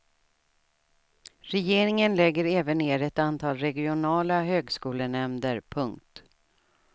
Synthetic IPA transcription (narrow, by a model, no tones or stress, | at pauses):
ɾɛjeːɾɪŋənlɛɡːəɾɛːvənːeːɾɛt̪ant̪ʰɑːlɾɛɡɪʊnɑːlaɦøːɡskuːlənɛmd̪əɾpʰɵŋkt̪